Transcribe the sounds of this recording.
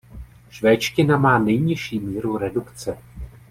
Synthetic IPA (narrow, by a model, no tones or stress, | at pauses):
ʃvɛːt͡ʃcɪnamaːnɛjɲɪʃiːmiːɾuɾɛdukt͡sɛ